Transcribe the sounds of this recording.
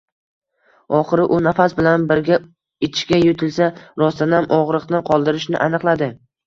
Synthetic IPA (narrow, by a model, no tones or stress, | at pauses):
ɒχɨɾɪʔʊnafasbɪlanbɪɾɡʲa | et̪ʰɪ̥ʃkʲajʊt̪ʰɪlsaɾɒst̪ʰanɪamʔɒʁɾɨqt̪anqʰɒlˠd̪ɪɾɪʃnɪ̰ʔanɨqlˠad̪ɪ